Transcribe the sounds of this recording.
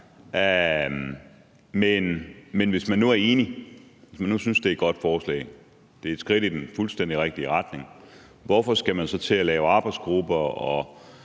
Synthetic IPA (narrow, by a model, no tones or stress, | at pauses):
menmenʋe̝smænːuæɐe̝ːniʋe̝smænːusynsd̥e̝ɐd̥̚ɡ̥ɒ̽d̥fɒːslɛ̰ɪ | d̥e̝ɐed̥sɡ̥ʁiɾ̥id̥enfulsd̥en̰d̥iʁeɡ̥̚d̥iəʁɑd̥ne̝ŋ | ʋɒfɒ̽sɡ̥æmænsɒ̽t͡sʰe̝ælɛːʊɑ̈ːb̥ɑ̈ɪ̥sɡ̥ʁub̥ɐɒ̽